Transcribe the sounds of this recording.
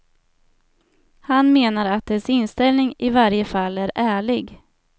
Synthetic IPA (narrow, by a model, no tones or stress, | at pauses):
hanmeːnaɾat̪̚d̪ɛsɪnst̪ɛlnɪŋɪvaɾjəfalːæɾæːɭɪɡ